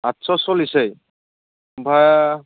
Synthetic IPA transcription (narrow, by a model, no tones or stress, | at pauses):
atsɔsolisej | bʱaj